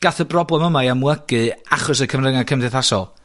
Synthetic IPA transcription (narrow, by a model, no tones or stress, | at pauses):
ɡ̥aθəbrɔblɛməmajamwəɡɨaχɔsəkʰəmrəŋakʰəmdɛθasɔlˠ